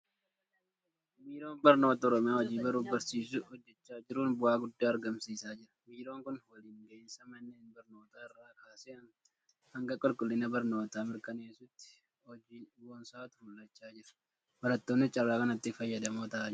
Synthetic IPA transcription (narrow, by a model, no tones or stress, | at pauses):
miːɾo̞ːnbɐɾno̞ːt̪ɐɔɾɔmɪjaːhɔd͡ʒiːbɐɾuːbɐɾsiːs̬ʊɔd͡ʒːɛt͡ʃːaːd͡ʒɪɾʊnbʊaːɡʊd̪ːaːɐɾɡɐmsiːsaːd͡ʒɪɾɐ̥miːɾo̞ːŋkʊnwɐliːŋɡɐɪnsɐmɐnːeːnbɐɾno̞ːt̪aːɪrːaːkʰaːseːɐn | hɐŋɡɐkʼɔlkʼʊlːɪnɐbɐɾno̞ːt̪aːmɪɾkɐneːsʊt̪ːɪ̥ | ɔd͡ʒiːwɔnsaːt̪ʊ̥mʊlːɐt͡ʃːaːd͡ʒɪɾɐ̥ | bɐɾɐt̪ːoːnːɪt͡ʃʼɐrːaːkɐnɐt̪ːɪfɐjːɐd̪ɐmoːt̪ɐʔaːd͡ʒ